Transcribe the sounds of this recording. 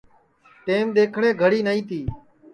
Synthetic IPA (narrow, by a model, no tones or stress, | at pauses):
ʈeːmd̪eːkʰɳẽːɡʱəɽiːnəĩːt̪iː